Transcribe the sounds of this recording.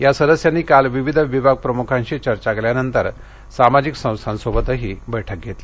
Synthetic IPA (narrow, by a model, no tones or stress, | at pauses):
jasəd̪əsjanːiːkalʋiʋid̪ʱʋibʱaɡ̚pɾəmukʰãɲɕit͡ɕəɾt͡ɕakeljanənt̪əɾ | samad͡ʑiksə̃w̃st̪ʰãnsobət̪əɦiːbəjʈʰək̚ɡʱet̪li